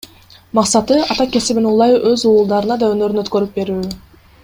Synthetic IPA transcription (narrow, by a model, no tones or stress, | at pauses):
mɑqsɑt̪ɯɑt̪ɑke̞siβinulˠɑjuʔøzuːlˠd̪ɑɾɯnɑd̪ɑønø̞ɾynøt̪kø̞ɾyp̚be̞ɾyː